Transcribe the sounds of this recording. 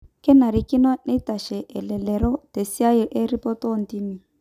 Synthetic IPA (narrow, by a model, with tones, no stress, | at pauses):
kɛ˦na˨ɾi˨ki˦nɔ˦ne˦ta˨ʃɛ˨ʔɛ˨lɛ˨lɛ˨ɾɔ˦te˨si˦a˦jɔ˨ʔe˦ɾi˦pɔ˦tɔ˦n̩˨ti˦mi˨